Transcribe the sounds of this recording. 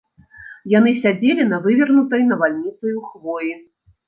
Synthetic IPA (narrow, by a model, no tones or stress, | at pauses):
jan̪ɨsʲad͡zʲelʲinɐvɨvʲɐrnut̪ɐjnɐvalʲnʲit̪sɨjuxvɔji